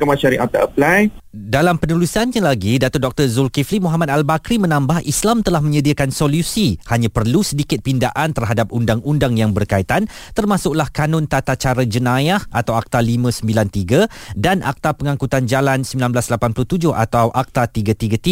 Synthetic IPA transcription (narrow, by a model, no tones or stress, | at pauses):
kəmãt͡ʃaɾiʔak̚t̪a̰ʔəplajdalampənulusanɲãlaɡidat̪ʊrdɔk̚t̪ərzulkiflimuɦamat̪̚albakɾimə̃nãmbahislamt̪əlahmə̃ɲədiəkansolusihaɲãpərlusədikɪt̪̚pindaʔant̪ərɦadap̚undaŋundaŋjaŋbərkait̪ant̪ərmasʊk̚lahkanʊ̃nt̪at̪at͡ʃaɾad͡ʒənãjahʔat̪awak̚t̪alimə̃səmbilant̪iɡadanʔa̰k̚t̪apəŋãŋkut̪and͡ʒalansəmbilanblaslapanplʊht̪ud͡ʒʊha̰t̪awʔak̚t̪at̪iɡat̪iɡat̪i